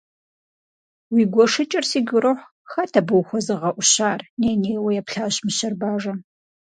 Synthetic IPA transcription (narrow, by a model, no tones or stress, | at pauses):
wiːɡʷɔʂɨt͡ʃʼɐrsiːɡʲʷʊɾɨħʷ | xɐtʰɐbɨwxʷɔzɨʁɐʔʷʊɕaːrneːneːwɐjɛpɬaːɕmɨɕɐrbaːʐɐ